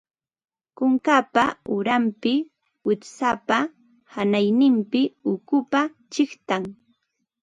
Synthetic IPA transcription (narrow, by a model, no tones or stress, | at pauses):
kʊŋkapaʊɾampɪ | wɪtsapa | hanajnɪmpɪʊkʊpa | t͡ʃɪχt̪aŋ